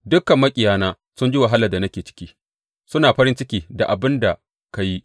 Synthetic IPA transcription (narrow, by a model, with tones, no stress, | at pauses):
dʊ˦kːɐ˨mːɐ˦kʲʼɪ˨jaː˦naː˦ | sʊ˦nd͡ʒi˦wa˨ɦa˦lɐ˨da˨nɐ˦kʲeː˨t͡ʃɪ̥˦kʲiː˦ | sʊ˦naː˨ɸɐ˦ɾɪ˦nt͡ʃɪ˦kʲiː˨da˨ʔa˨bɪ˦nda˨ | ka˨ji˦